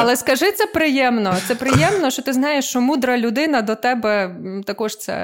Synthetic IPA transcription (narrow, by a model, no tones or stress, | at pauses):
ɐlˠɛskɐʒɪt̪sɛpɾɪjɛmnɔt̪sɛpɾɪjɛmnɔʃt͡ʃɔt̪ɪznɑjeʃt͡ʃɔmud̪ɾɐlʲʊd̪ɪnɐd̪ɔt̪ɛbɛt̪ɐkɔʃt̪sɛ̰